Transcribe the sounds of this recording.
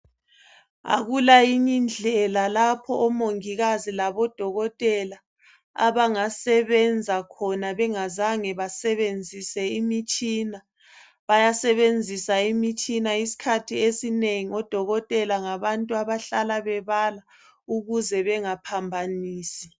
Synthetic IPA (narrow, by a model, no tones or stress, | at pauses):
a̰ɣulajiɲind͡ɮʱɛlalapʰɔʔːmoŋiɣazilaβɔd̥ʱɔɣɔtʼɛla | a̰βaŋasɛβɛnd͡zʱakʰɔnaβɛŋazaŋɛβasɛβend͡zʱisɛimit͡ʃʼina | βajasɛβend͡zʱisaimit͡ʃʼinaisi̥kʰatʰiesineŋiɔd̥ʱɔɣɔtʼɛlaŋaβantʼuaβaɬalaβɛβala | uɣuzɛβɛŋapʰambʱaniːsi̥